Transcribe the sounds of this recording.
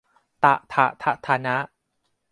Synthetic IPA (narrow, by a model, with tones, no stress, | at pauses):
t̪a˨˩ʔt̪ʰa˨˩ʔt̪ʰa˦˧t̪ʰaː˧na˦˥ʔ